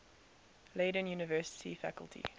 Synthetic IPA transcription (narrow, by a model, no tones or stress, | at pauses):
leːɾə̃njuːnəvɜːˑsɪ̥tʰifækə̰lˠtʰḭ